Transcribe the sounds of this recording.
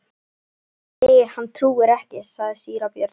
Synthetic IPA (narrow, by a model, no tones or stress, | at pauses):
ejhanːt̪ʰɾuːɪɾɛhcɪsaɣðɪsiːɾawpjœɾt̪